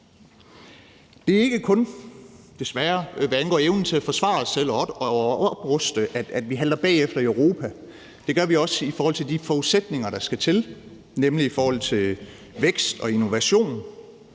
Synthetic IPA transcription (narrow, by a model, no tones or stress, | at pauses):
d̥e̝æe̝ɡ̥əkʰɔ̽n | d̥e̝sʋæɐʋæænɡ̥ɒ̰ːeʊnt͡sʰe̝æfɒ̽sʋɑ̰̈ːsːel̰ɒɒd̥ɒb̥ʁɔsd̥əʔæ̥æd̥ʋiɦæld̥ɐb̥ɛ̰ːefd̥ɐiøʊʁo̝ːpʰæ | d̥e̝ɡ̥ɶɐʋiɒ̽səifɒːhɒl̰t͡sʰe̝ld̥ifɒuðˠsed̥ne̝ŋɐɾɑ̈sɡ̥æt͡sʰe̝l | nemliifɒːhɒ̽l̰t͡sʰe̝l | ʋeɡ̥sd̥ɒ̽ino̝ʋæɕo̝̰ːn